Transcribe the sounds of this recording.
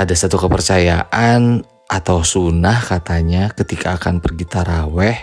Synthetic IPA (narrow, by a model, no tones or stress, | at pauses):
adasat̪ukəpərt͡ʃajaʔan | ʔat̪awsunahkat̪aɲakət̪ikʰaːkanbərɡit̪aɾawɛh